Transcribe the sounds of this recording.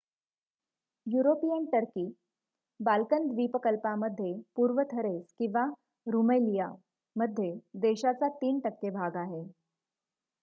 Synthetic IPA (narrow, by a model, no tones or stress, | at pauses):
juɾopijəɳʈəɾkiː | balkənd̪ʋiːpəkəlpaməd̪ʱːjepuːɾʋət̪ʰəɾeskĩw̃ʋa | ɾuməlija | məd̪ʱːjed̪eɕat͡sat̪iːnʈəkːebʱaɡaɦe